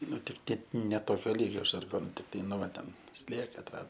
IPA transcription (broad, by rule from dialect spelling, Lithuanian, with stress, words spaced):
ˈnʊ tʲɪk ˈtʲiɛ nʲɛ ˈtoːkʲoː ˈlʲiːɡʲoː ʒɐrˈɡoːnʊ tʲɪkˈtɐɪ nʊ ˈʋɐ tʲɛn ˈsʲlʲiɛkɐ ɐtˈrɑːdoː